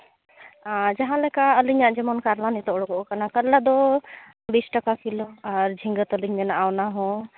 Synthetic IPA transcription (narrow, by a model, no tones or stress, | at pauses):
ad͡ʒaɦãlɛkaəliɲaʔd͡ʒɛmɔnkaɾlanit̪ɔɔɽɔkɔʔɔkanakəllːad̪ɔ | bisʈakakilɔaɾd͡ʒʱiŋɡət̪ɔliɲmɛnaʔawnaɦɔ̃